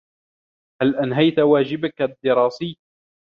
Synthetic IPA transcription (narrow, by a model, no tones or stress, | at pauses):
halʔanɦajt̪waːd͡ʒɪbakad̪ːɪɾˤɑːsiː